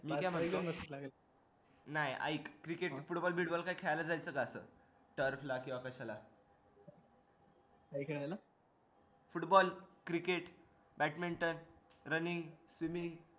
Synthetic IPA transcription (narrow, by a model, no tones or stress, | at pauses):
miːkãm̤əkməətlaɡel | naja̰ikkːɾikeʈfuʈbɔlbʱiɽbɔlkajkʰɛajlad͡zajt͡səɡasə̰ | ʈəɾflakĩw̃ʋakəɕala | kaikəɽajla | fuʈbɔlkɾikeʈ | bæʈmiɳʈənɾəniŋɡsʋimi